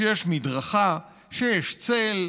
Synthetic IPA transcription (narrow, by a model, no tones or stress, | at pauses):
jeʃmidʁaχa | ʃejeʃt͡sel